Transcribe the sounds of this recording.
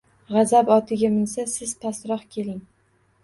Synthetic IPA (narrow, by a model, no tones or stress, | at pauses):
ʁɑzabɒt̪ʰɪɡʲamɪnsasɪz̥pʰasɾɒχkʲʰe̞lɪŋ